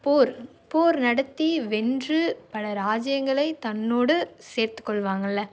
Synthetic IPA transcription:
poːɾ | poːɾnɐɽɐt̪ːiʋɛndrɯpɐlɐɾaːd͡ʒɐjɐŋɡɐɭɐɪt̪ɐnːoːɽɯseːɾt̪ɯ̥kːɔɭʋaːŋɡɐlːɐ

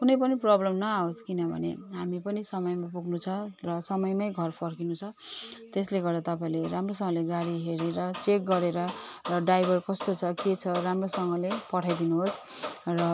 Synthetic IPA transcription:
kunʌjpʌniprʌblʌmnʌaoskinʌbʱʌ̰nḛɦamipʌnisʌmʌjmap̬uɡnut͡sʰʌrʌsʌmʌjmʌjɡʱʌrpʰʌrkinut͡sʰʌt̪esleɡʌrd̪at̪ʌpaĩleɾamrosʌŋʌleɡaɽiɦeɾeɾʌt͡sek̚ɡʌɾeɾʌrʌɖajbʱʌrkʌst̪ot͡sʰʌket͡sʰʌramrosʌŋɡʌlepʌʈʰajd̪inuɦosrʌ

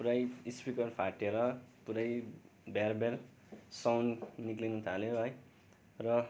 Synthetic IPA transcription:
puɾajispikʌrpʰaʈeɾʌpuɾaj | barbeɾ | sawnːiklinut̪ʰaleɦʌj | rʌ

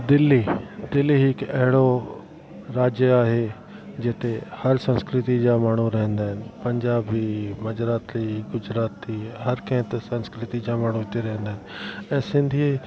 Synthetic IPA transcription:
d̪ɪlːiːd̪ɪlːiɦɪkɛɦɪɽo | ɾaːd͡ʒjəaːɦe | d͡ʑɪt̪ehɐɾsə̃nskɾɪt̪id͡ʑaːmaːɽ̤uɾɐɦə̃nd̪aːɦɪnɪ̆pɐ̃ɲd͡ʑaːbimɐd͡ʑɾaːt̪liːɡʊd͡ʒɾaːt̪iːɦɐɾkɐ̃ɦɪ̃t̪sɐ̃nskɾɪt̪id͡ʑaːmaːɽ̤uɪt̪eɾɐɦə̃nd̪aːɦɪnɪ̆ɛ̃ːsɪ̃nd̪ʱi

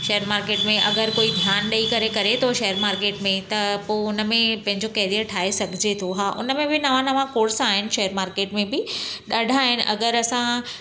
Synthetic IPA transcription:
ʃɐjəɾmaːɾkeːʈmẽʔɐɡəɾkoːid̪ʱjaːnɗɐikɐɾekɐɾet̪ʰoʃɐɦəɾmaːɾkeːʈmẽt̪ɐpoʊnə̆mẽpɐ̃ɦɪ̃ɲd͡ʑokɐɦɾiəʈʰaːesɐɡʱɪd͡ʑet̪ʰoɦaːʔʊ̰nəmẽbɪnɐʋãnɐʋãkoːɾsaːɦɪnɪ̆ʃɐjəɾmaːɾkeːʈmẽbɪɗɐɖʱaːɦɪnɪ̆ʔɐɡəɾɐsã

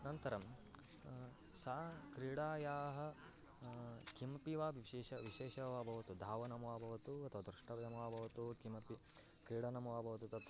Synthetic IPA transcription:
nɐnt̪ɐɾɐm | sakɾiːɽaːjaːɦɐ̆ | kimɐpiʋaːbiʃeːʃɐʋiʃeːʃɐʋabʱɐʋɐt̪ud̪ʱaːʋɐnɐmɐʋaːbʱɐʋɐt̪uɐt̪ʰɐʋaːd̪ɾuʂʈɐʋɐjɐmɐʋaːbʱɐʋɐt̪ukimɐpi | kɾiːɽɐnɐmɐʋaːbʱɐʋɐt̪ut̪ɐt̪ɐ

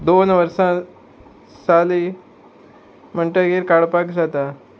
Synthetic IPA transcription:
d̪onʋəɾsã | sali | m̤əɳʈəɡeɾkaɭpakd͡zat̪a

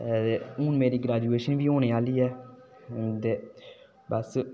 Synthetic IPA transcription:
eːʊ̃ːnmeːɾiːɡɾaːd͡ʒueːʃənʋiːõːneːaːliːɛː | t̪eː | bəs

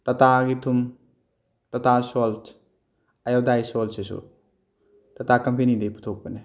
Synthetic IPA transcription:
tɐtaɡitʰum | tɐtasolt | ɐjawdajsolsesṵ | tɐtakɐmpenidejpʰu̥tʰok̚pene

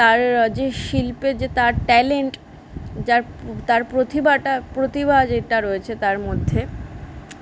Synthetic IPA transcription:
t̪aɾd͡ʑeʃilped͡ʑet̪aɾʈɛleɳʈ | d͡ʑaɾt̪aɾpɾot̪ibaʈapɾot̪ibad͡ʑeʈaɾoet͡ɕʰet̪aɾmod̪ʱːe

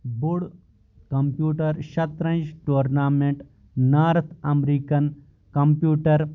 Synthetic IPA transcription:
bʊɽ | kɐmpjuːʈɐɾʃɐt̪ɾɐ̃nd͡ʒʈuːɾnaːmeɳʈː | aːɾɐt̪ʰɐmɾiːkɐn | kɐmpjuːʈɐɾ

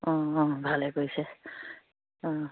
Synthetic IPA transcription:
ɔ̃ɔ̃bʱalekojsɛ | ɔ̃

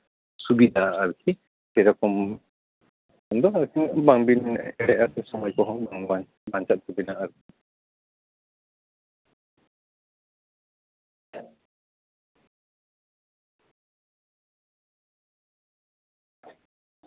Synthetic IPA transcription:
subid̪ʱaʔːɾukʰi | kɛɾɔkɔm | ɔnd̪ɔaɾkʰibaŋbinɛɽɛasɛsɔmɔjkɔɦɔ̃baŋ | baɲt͡ʃat̪̚sʰubinaʔaɾuk̚ʰi

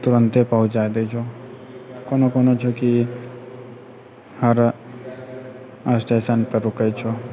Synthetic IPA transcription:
t̪ʊɾə̃nt̪epəɦʊt͡ʃd͡ʒaed̪et͡ʃʰo | konokɔːnot͡ʃʰoki | həɾ | asʈeːsanpeɾʊkət͡ʃʰo

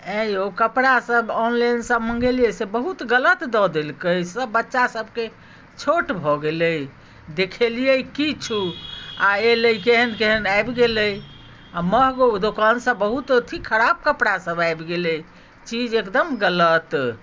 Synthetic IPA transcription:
ə̃okəpɽasəbɔnlajnsəbməŋɡelijesebəɦut̪ɡələt̪d̪ɔd̪elkəjsəbːətːʃasəb̚ke | t͡ʃʰoʈbʱɔɡeləj | d̪ekʰelijəjkit͡ʃʰuaeləjkeɦənkeɦənajbɡeləj | aməɦɡod̪okansəbːəɦut̪t̪ʰikʰəɾab̚kəpɽasəbajbɡeləj | t͡ʃid͡ʒekd̪əmɡələt̪

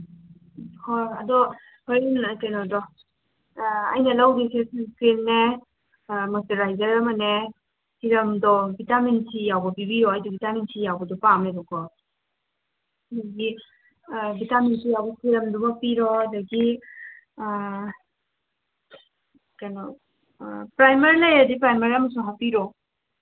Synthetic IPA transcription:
hɔɐdɔ | hɔɾnkajnɔdɔ | a̰jnɐlawdisʰeskɾenːe | mateɾajzɐɾɐmɐne | siɾɐmdɔbitaminsʰijawbɐpibiɾɔajdɔbitaminsʰijawbɐdɔpamedɔkɔ | dɐɡi | bitaminsʰijawbɐsiɾɐmdumɐpiɾɔɐdɐɡi | kajnɔ | pɾajmɐɾilajɐdipɾajmɐɾiɐmɐsuŋɦapiɾɔ

